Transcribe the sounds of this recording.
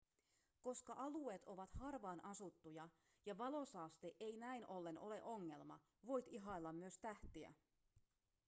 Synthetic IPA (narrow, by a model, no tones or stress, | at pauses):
ko̞skɑʔɑlue̞ːt̪o̞ʋɑt̪hɑrʋɑːnɑsut̪ːujɑ | jɑʋɑlo̞sɑːst̪eʔe̞jnæjnʔo̞lːe̞nʔo̞le̞ʔo̞ŋːe̞lmɑ̰ | ʋo̞jt̪iɦɑilːɑmːyøst̪æht̪iæ̰